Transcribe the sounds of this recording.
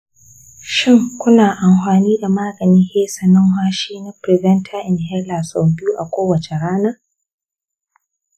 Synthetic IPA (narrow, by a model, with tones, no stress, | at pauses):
ʃɪ˦ŋkʷʊ˦naː˨ʔa˨mɸaː˨niː˦da˨maː˦ɡɐ˨niː˦heː˦sɐ˨nɔ˦ŋɦwaː˦ʃiː˦na˦pɾɪ˨vɛ˦ntʰa˦ʔɪ˨nɦɛ˦la˨sɔ˨bɪ˦uː˦ʔa˨kʷoː˦wɐ˨t͡ʃe˨ɽaː˦na˦